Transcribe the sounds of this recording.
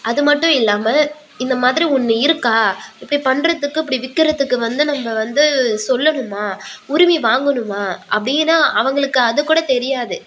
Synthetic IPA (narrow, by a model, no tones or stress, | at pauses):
ʔɐðɯmɐʈːʊ̃ɪlːaːmɐ | ɪnd̪ɐmaːðɪɾiɔnːɯɪɾɯkːaːɪpːɐɽipɐɳɾɐðɯkːɯɪpːɐɽiʋɪkːɯɾɐðɯkːɯʋɐnd̪ɯnɐmːɐʋɐnd̪ɯsɔlːɐɳɯmːaːʊɾɪmiʋaːŋɡɐɳɯmaːʔɐ̰pːɐɽɪjnːaːʔɐʋɐŋɡɐɭɯkːɯɐðɯkːuːɽɐt̪ɛɾɪjaːðɯ